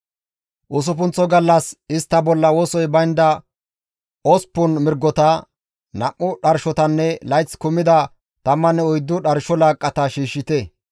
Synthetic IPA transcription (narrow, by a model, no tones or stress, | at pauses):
ʔʊs̬ʊpʊnt͡sːɔɡɐlːɐsɪst̪ːɐbɔlːɐwoːsɔjbɐjnd̪ɐ | ɔspːʊnmɪɾɡːɔt̪ɐ | nɐʔːʊɗɐɾʃɔt̪ɐnːɛlɐjt͡skʊmɪd̪ɐ | t̪ɐmːɐnːɛɔjd̪ːʊɗɐɾʃɔlaːkʼːɐt̪ɐʃiːʃːɪt̪ɛ